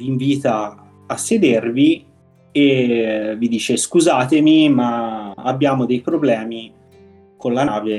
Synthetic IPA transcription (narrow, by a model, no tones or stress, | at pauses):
viːɱviːt̪aː | sːed̪ervi | evid̪iːt͡ʃeskuzaːt̪emimaa̰bːjaːmod̪ejpɾoblɛːmi | konlanaːve